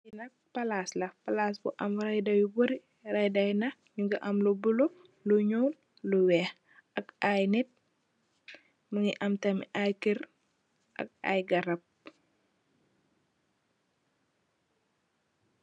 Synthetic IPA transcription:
inɐk̚pɐlaːslɐpɐlaːsbuʔɐmɾɐjdɐjuboɾi | rɐjdɐjnɐ | ɲuŋɡɐʔɐmlubulo | luɲɔwn | luwɛːx | ʔɐkajnit̚ | mɐŋiʔɐmtɐmʔajkir | ʔɐ̰k̚a̰jɡɐɾɐp̚

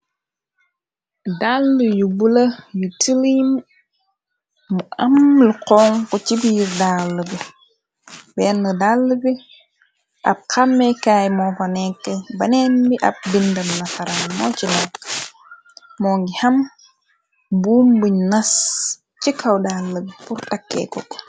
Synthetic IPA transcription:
dalːujubulɐjutilim | muʔamluqɔːŋkɔt͡ʃibiːɾdalːubi | bɛnːədalːubi | ʔa̰b̚kamːɛkaːjmɔfɐnɛkːɛbɐnɛnbiʔa̰b̚bindɐnnasaɾanmɔ̰ːt͡ʃinɛkː | mɔŋɡiham | bumbuɲnas | t͡ʃikawdalːəbipuɾtakːɛ̰kɔk

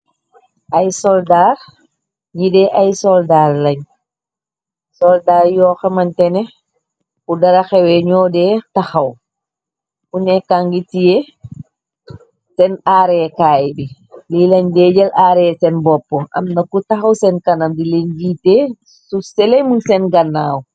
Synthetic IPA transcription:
ʔajsɔldaɾ | ɲidɛʔajsɔldaɾlaɲ | sɔldaɾjɔxɛmantɛnɛ | kudaɾaxɛwɛɲɔːdɛtaxaw | ʔunɛkaŋɡitijɛ | sɛnaːɾɛɛkajbi | lilaɲdɛd͡ʒɛlʔaːɾɛɛsɛnbɔpːɔʔa̰mnakutaxawsɛnkanamdileɲd͡ʒiːtɛ | susɛlɛmunsɛnɡanːa̰ːwu

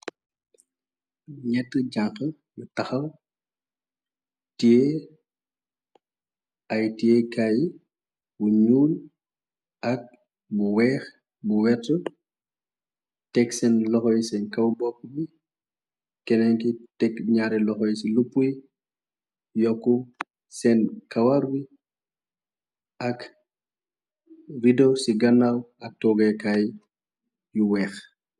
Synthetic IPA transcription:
ɲɛtːəɟaŋxə | mutɐxɐw | tije | ɐjtiekaji | buɲuːl | ʔɐk̚ | buwɛːx | buwɛtːu | tɛksɛnlɔxɔjsɛnkɐwbɔkːəbi | kɛnɛŋkitɛkɲaːɾilɔxɔjsilupːuj | jɔkːu | sɛnkɐwaɾwi | ʔɐk | ridosiɡɐnawɐk̚tɔɡɛkaj | juwɛːx

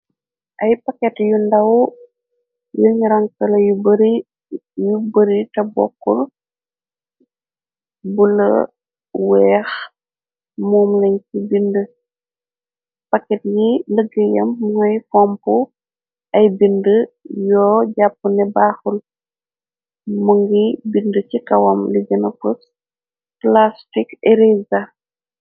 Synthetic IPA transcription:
ʔɐjpɐkɛtjundɐw | juɲɾɐŋkɐlɐjubɾ | jubəɾitɐbɔ̰kːṵr | bulɐ̰ | wɛːx | muːmlɐɲkibində | pɐkɛtjiləɡəjɐmːuŋɐjfɔmpu | ɐjbindəjɔːɟapːənɛbaːxul | muŋɡibindəcikɐwɐmliɡənɐfəs | plastikeɾiza

